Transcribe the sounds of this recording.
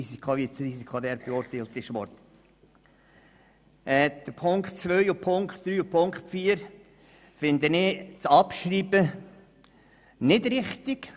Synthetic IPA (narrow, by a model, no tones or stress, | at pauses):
isikʰχoʋit͡srisikʰod̪ɛːɾb̥eʊɾtalt̪ɪʃʋɔɾt | ɛd̪̥əɾpʰʊŋkχtt͡sʋœʏupʰʊŋkχtd̪ɾyːupʰʊŋktfiːəɾ | fɪnd̪ənɪːt͡sɑpʃɾiːbə | nɪdɾɪχt̪ɪk